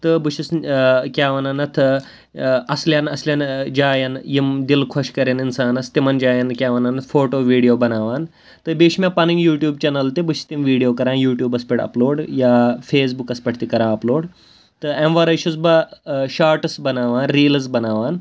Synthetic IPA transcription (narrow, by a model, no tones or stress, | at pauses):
t̪ɨbuʃʰiskʲaːʋɐnɐnɐt̪ʰ | ɐsljanɐslʲjɐnd͡ʒaːjɐnjimd̪ilkʰɐʃkɐɾeninsaːnɐst̪imɐnd͡ʒaːjɐnkʲaːʋɐnɐnɐt̪ʰfʰoːʈoːʋiːɖijoːbɐnaːʋaːn | t̪ɨbiːʃmʲapɐniŋɡjuːʈjuːb̚t͡ʃɐnɐlt̪ibuʃʰi̥st̪imʋiːɽijoːkɐɾãːnjuːʈjuːbɐspiʈɐ̰ploːɖjaːfʰeːs̬bukɐspɐʈʰt̪ikɐɾãːɐploːɽ | t̪ɨemʋɐɾɐjʃʰusbɐʃaːɾʈɨsbɐnaːʋaːnɾiːlɐs̬bɐnaːʋaːn